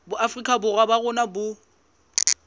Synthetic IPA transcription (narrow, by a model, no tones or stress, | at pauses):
bʊʔafrikʼʰabʊrwabaɣʊnabʊ